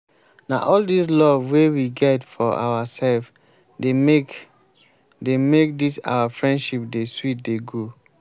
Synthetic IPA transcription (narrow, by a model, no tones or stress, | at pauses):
na̰ʔɔldis̬lɔvwewiɡɛtfɔʔa̰wasɛlf | deme | demek̚disa̰wafɹɛ̃ndʃip̚deswit̚deɡo